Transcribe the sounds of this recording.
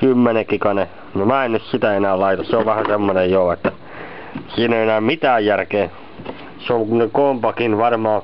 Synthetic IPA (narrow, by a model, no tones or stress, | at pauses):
kymːenekikɑne | nomæːennyssit̪æenæːllɑit̪ɑsseoʋʋæhæsemːonejjoːet̪ːæ | siːneienæːmmit̪æːjjærkeː | seoŋneŋkompɑkinʋɑrmɑː